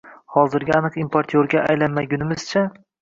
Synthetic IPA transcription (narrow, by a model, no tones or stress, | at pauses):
hɒzɪɾɡʲaanɨqimpʰoɾt̪ʰjoɾɡʲaʔajlanmaɡʲʊnɪmɪz̥t͡ʃʰa